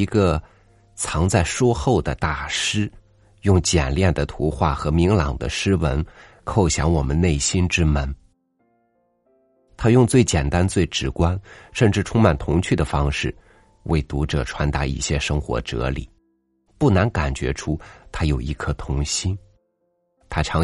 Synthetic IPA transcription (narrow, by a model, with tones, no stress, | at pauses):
i˧˥ɡə˧ | t͡sʰɑ˧˥ŋt͡sa˥˩ɪʂwɔ˥xo˥˩ʊd̪ə˩t̪a˥˩ʂɻ̩˥ | jʊ˥˩ŋt͡ɕjɛ˨˩nljɛ˥˩nd̪ə˩t̪ʰu˧˥xwa˥˩xɤ˧˥mi˧˥ŋlɑ˨˩ŋd̪ə̰˦ʂɻ̩˥wə˧˥n | kʰo˥˩ʊɕjɑ˧˥ŋwɔ˨˩mə˦nne˥˩ɪɕi˥nʈ͡ʂɻ̩˥mə˧˥n | t̪ʰa˥jʊ˥˧ŋt͡swe˥˩ɪt͡ɕjɛ˨˩nt̪a˥nt͡swe˥˩ɪʈ͡ʂɻ̩˨˩kwa˥nʂə˥˧nʈ͡ʂɻ̩˥˩ʈ͡ʂʰʊ˥ŋma˨˩nt̪ʰʊ˧˥ŋt͡ɕʰy˥˩d̪ə˩fɑ˥ŋʂɻ̩˥˩ | wʔḛ˥˩ɪt̪u˧˥ʈ͡ʂɤ˨˩ʈ͡ʂʰwa˧˥nt̪a˧˥ḭ˥˩ɕjɛ˥ʂɤ˥ŋxwɔ̰˧˥ʈ͡ʂɤ̰˧˥lḭ˨˩˦ | pu˥˩na˧˥nka˨˩nt͡ɕɥɛ̰˧˥ʈ͡ʂʰu˥t̪ʰa˥jo˨˩ʊʔḭ˧˥˩kʰɤ˥˩t̪ʰʊ˧˥ŋɕi˥n | t̪ʰa˥ʈ͡ʂʰɑ˧˥